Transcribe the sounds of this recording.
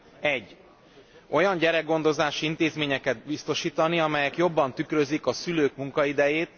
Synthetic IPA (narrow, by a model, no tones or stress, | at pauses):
ɛɟː | o̞jɒɲɟɛɾɛɡɡo̞nd̪o̞zaːʃiint̪eːzmeːɲɛkɛt̪̚bist̪o̞ʃiːt̪ɒniɒmɛjɛkjo̞bːɒnt̪ykɾøzikɒsyløːkmuŋkɒid̪ɛjeːt̪